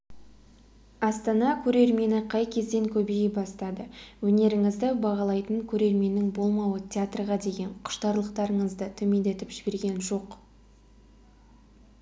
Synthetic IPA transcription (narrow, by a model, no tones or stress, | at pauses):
ɑst̪ɑnɑkʲʰɵɾe̞ɾme̞nɪqʰɑjkʲʰe̞zd̪e̞ŋkʲʰɵbejɪbɑst̪ɑd̪əwɵne̞ɾɪŋɪzd̪ɪbɑʁɑlˠɑjt̪əŋkʲʰɵɾe̞ɾme̞nːɪŋbo̞lˠmɑwət̪ʰʲeat̪rʁɑd̪e̞ɡʲe̞ɴqʰʊ̥ʃt̪ɑɾlˠəqt̪ɑɾəɴəzd̪ət̪ʰʏme̞nd̪e̞t̪ɪpʒ̥ɪbe̞ɾɡʲe̞nʒo̞q